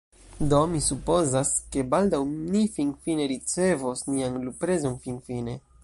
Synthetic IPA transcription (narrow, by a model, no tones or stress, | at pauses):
do̞misupo̞zaske̞baldawnifinfine̞ɾit͡se̞vosnianlupɾe̞zo̞nfinfine̞